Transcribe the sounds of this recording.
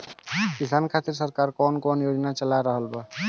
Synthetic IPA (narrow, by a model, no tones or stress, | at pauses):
kisankʰat̪iɾsəɾkaɾkɔːnkɔnjod͡ʒnat͡ʃəlaɾəɦəlba